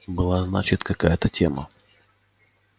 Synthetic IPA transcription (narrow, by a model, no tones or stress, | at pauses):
bɨlˠaznat͡ɕɪt̪kɐkajət̪ətʲemə̰